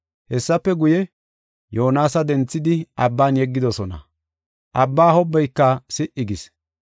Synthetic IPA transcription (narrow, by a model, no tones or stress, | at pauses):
hɛsːɐpːɛɡʊjɛ | joːnaːsɐd̪ɛnt͡sːɪd̪ɪʔɐbːaːnjɛɡːɪd̪ɔsɔnɐ̰ | ʔɐbːaːhɔbːɛjkːɐsɪʔɪɡɪs